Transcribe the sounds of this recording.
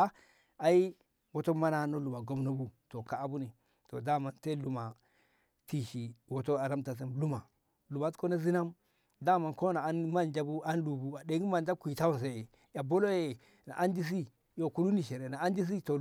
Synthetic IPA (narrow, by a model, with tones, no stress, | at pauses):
a˦ | a˨i˦ | wo˨to˦ma˦na˦no˦lu˨ma˨ɡo˨mno˦bu˦to˨ka˨a˨bu˦ni˨ | to̰˨da˦ma˦nte˦lu˨ma˨ | ti˨ʃi˨wo˨to˦a˨ɾa˦mta˨s̬e˦mlu˦ma˨ | lu˨ma˨tko˦na˦zi˦na˦m | da˦ma˨nko˦na˨a˨˦nma˦nd͡ʒa˦bu˦a˦nlu˨bu˦a˨de˨ɡi˦ma˨nda˦kʷi˨ta˦wu˨ns̬e˨e˨ | ja˨bo˦lo˦je˨ | na̰˨ʔa˦ndi˦s̬i˦ | jo˨ku˦lu˦ni˨ʃe˨ɾe˨na˨a˦ndi˦s̬i˦to˨